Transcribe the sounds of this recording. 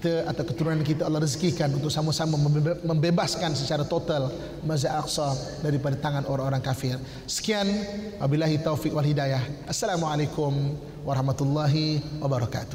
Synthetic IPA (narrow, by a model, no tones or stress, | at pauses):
t̪aʔat̪awkət̪uɾunankit̪aɔlːɑhrəzkikanunt̪ʊksamuasamaməmbebaskansət͡ʃaɾat̪ot̪al | mazaʔaksɔ | daɾipadat̪aŋanoɾaŋoɾaŋkafɪr | sə̥kianwabilaɦit̪owfikwalɦidajahʔasːalamuʕalekʊm | waɾɑhmat̪ulːɑɦiwabaɾɔka̰t̪ʊ̥